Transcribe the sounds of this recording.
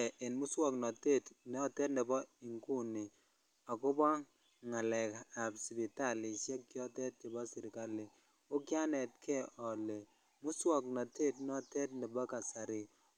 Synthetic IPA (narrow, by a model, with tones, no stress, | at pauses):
ʔɪ˨nmʊ˦swɔ˨knɔ˨te˦˨tnɔ˦˨tɛ˦tnɛ˨bɔ˦i˨ŋku˦ni˨ | ɔ˨kʊ˦bɔ˦ | ŋa˨lɛ˨ka˨bsbi˨ta˦˨lɪ˨ʃjɛ˦kkjɔ˦tɛ˦t̚kɪ˨bɔ˦sɪ˨ɾɪ˨ka˦lɪ˨ | ʊ˦kja˦nɛ˨t̚kʰɛ˦˨ʔɔ˨le˨ | mʊ˦swɔ˦˨k̚nɔ˨te˦tnɔ˦tɛ˦t̚ni˨bɔ˦ka˨sa˨ɾɪ˨